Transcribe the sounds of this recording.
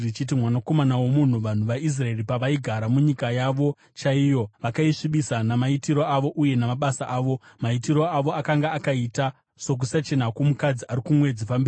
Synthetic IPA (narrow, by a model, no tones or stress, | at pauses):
it͡ʃit̬imwanako̞manawo̞mun̤uʋan̤uʋais̬rae̞ɾipaʋaiɡʱaɾamuɲikajaʋo̞ | t͡ʃaijo̞ʋakaiʂiɓisanamaitiɾo̞aʋo̞ʔuje̞namaɓasaʔaːʋo̞maitiɾo̞aʋo̞akaŋɡaːkaita | so̞k̬usat͡ʃe̞nakumukad͡ziaɾikumwe̞d͡zifambia